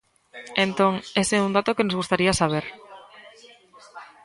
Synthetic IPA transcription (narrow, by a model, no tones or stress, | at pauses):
ent̪õŋeseund̪at̪okenozɣust̪aɾiasaβ̞eɾ